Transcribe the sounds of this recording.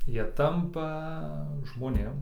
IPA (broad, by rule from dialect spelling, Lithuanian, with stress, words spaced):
ˈjiɛ ˈtɐmpɐ ʒmoːˈnʲeːm